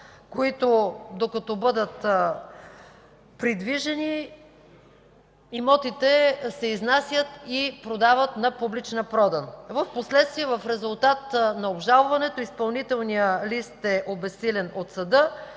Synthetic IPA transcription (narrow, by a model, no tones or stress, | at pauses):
koit̪od̪okɐt̪ɔbɤd̪ət̪ | pɾid̪viʒɛni | imɔt̪it̪ɛsɛiznasʲjət̪ipɾod̪avət̪nɐpublit͡ʃnəpɾɔd̪ənvəfposlɛt̪st̪viɛvəfɾɛzulˠt̪at̪nɐobʒalˠvɐnɛt̪oispɐlˠnit̪ɛlˠnijəlist̪ɛʔobɛsːilɛnot̪sɐd̪ɤ